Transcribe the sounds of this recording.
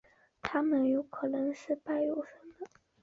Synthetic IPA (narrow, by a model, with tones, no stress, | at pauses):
t̪ʰa˥mə˨˩njo˧˥ʊkʰɤ˨˩nɤ˧˥ŋʂɻ̩˥˧pa˥˩ɪjo˨˩ʊʂə˧˥ŋd̪ə˧